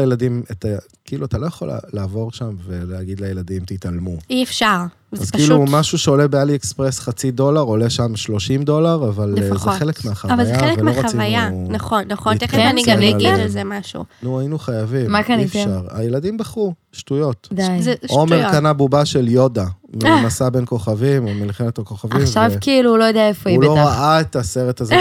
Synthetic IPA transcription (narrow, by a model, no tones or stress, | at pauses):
ajeladimet̪a | kiiluat̪alo̞jaχo̞l̰laːvo̞ʁʃamveleaɡid̪lajeladimt̪italmuiefʃaʁ | azkiːlumaʃuʃeo̞lebealiekspʁesχat͡sid̪o̞laʁo̞le̞ʃamʃlo̞ʃimdo̞laʁavallfzeχelekmeaχavaljzeaeelelmeoʁoaivajanaχonːaχoneaniɡaillzemaʃṵnuajinuχajavimakafʃaʁa̰jeladimbaχu | ʃtujo̞tdʃomeʁkanabubaʃeljo̞damimasabenko̞χavimomilχinat̪ako̞χavaimʃavkiiluulo̞jodeaefoilo̞ʁaaet̪ase̞ʁetaz